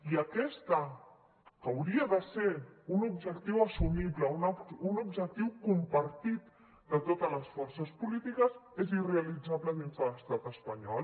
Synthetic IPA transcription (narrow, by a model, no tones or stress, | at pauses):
iəkɛst̪ə | kəwɾiəðəseunubʒəkt̪iwəsumiβləununubʒək̚t̪iwkumpəɾt̪it̪̚ | d̪ət̪ot̪ələsfɔɾsəspulit̪ikəzezireəlid͡zaβləðinzələst̪at̪əspəɲɔl